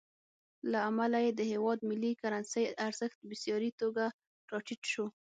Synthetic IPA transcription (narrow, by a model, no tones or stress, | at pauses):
laamalajed̪əhewɑd̪mɪlːikaɾansəjaɾz̥əxt̪̚bɪsjɑɾit̪oɡa | ʈɑʈiʈʃo